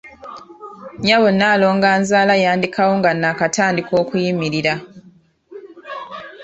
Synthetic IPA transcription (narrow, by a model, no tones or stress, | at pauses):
ɲaβo̞nːaːlo̞ːŋɡaːnzaːlajaːndikʰawo̞ŋɡanːakataːndikʰo̞ːkujimiɾiɾa